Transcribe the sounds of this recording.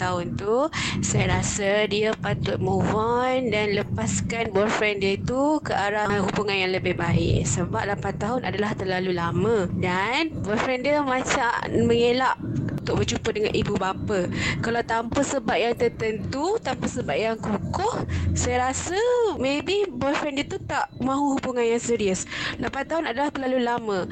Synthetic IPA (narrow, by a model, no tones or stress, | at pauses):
t̪aʊnt̪usajaɾasadiapat̪ʊt̪̚muvandanləpaskanbɔrfɾɛndiəit̪ukəʔaɾaɦubuŋanjaŋləbɪhbaɪ̰ʔsəbap̚lapant̪aɦʊnʔa̰dalaht̪ərlalulamə̃danbɔrfɾɛndiəmãt͡ʃaʔməŋelaʔunt̪ʊʔ̚bət͡ʃupədəŋa̰nʔibubapəkalawt̪ampəsəbaʔ̚jaŋt̪ərt̪ənt̪ut̪ampəsəbaʔ̚jaŋkukʊhsajaɾasəmebibɔfɾɛndiət̪ut̪aʔmãɦuhubuŋanjaŋsiɾiəslapant̪aɦʊnadalaht̪ərlalulamə̃